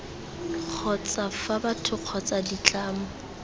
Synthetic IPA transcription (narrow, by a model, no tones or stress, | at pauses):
q͡χʰɔt͡sʼafabatʰʊq͡χʰɔt͡sʼadit͡ɬʼaːmʊ